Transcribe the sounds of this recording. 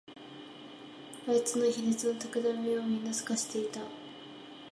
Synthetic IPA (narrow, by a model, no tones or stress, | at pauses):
ait͡sɨno̞çʲinet͡sɨno̞t̪akad̪amijo̞oːɲ̟ʲinːasɨ̥kaɕi̥t̪e̞it̪a